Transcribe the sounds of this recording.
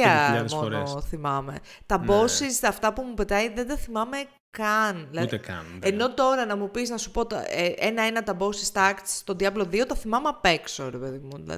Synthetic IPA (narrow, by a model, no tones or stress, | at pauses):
ɐðmoɾeθimɐme̞̰ | t̪ɐbbo̞sisɐft̪ɐpumupe̞t̪ɐjðend̪ɐθimɐme̞ | kɐnðilɐkɐ̰neno̞t̪o̞ɾɐnɐmupiznɐsu̥pot̪eʔenɐenɐt̪ɐbo̞sist̪ɐkt̪st̪o̞nd̪iɐvloðio̞t̪ɐθimɐmeɐpe̞ksoɾepe̞ðimṵ